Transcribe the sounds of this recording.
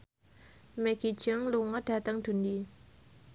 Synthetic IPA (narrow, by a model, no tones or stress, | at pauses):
mɛɡ̥id͡ʒəŋluŋəd̥̪at̪əŋd̪̥undi